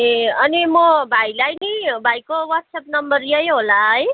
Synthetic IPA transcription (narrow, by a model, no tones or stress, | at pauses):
eʌnimʌbʱajlajnibʱajkowʌtsʌpnʌmbʌrjʌjɦolaʌj